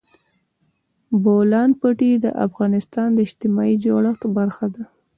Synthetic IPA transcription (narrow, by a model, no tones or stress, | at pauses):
bolɑn̚pəʈid̪ə̰ʔa̰fɣɑnɪst̪ɑnd̪əɪʃt̪ɪmɑid͡ʒoɽaxt̪baɾxad̪a